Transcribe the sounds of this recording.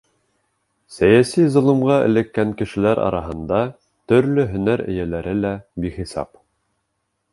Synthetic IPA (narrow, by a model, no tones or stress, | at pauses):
sæjæsizŏlˠɤ̆mʁɑɘ̰̆lɘ̆kːæŋkɘ̆ʃɘ̆læɾʔɑ̰ɾɑɦɤ̆nd̪ɑ | t̪ɵ̆ɾlɵɦɵ̆næɾɘ̰̆jælæɾɘlæbiχisɑ̰p